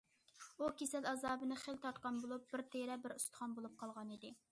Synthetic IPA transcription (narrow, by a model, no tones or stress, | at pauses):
ukʲesɛlɑzɑːbɨnɨχelt̪ʰɑɾt̪̚qɑnbolˠup̚b̥ɪɾt̪ʰeɾɛbɪɾust̪ʰə̥χɑnbolˠup̚qʰɑlˠʁɑnid̪ɪ